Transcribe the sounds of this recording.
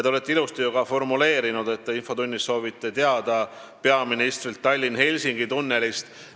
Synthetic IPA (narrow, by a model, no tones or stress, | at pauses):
t̪eolet̪ˑːilust̪ejuɡɑfo̞rmule̞ːɾinud̪̥e̞t̪ːeinfo̞t̪unʲːisːo̞ːvit̪ˑːe̞t̪eɑd̪̥ɑ | pe̞ɑminist̪rilt̪ːɑlʲːinhe̞lʲsiŋɡ̥it̪unːe̞list̪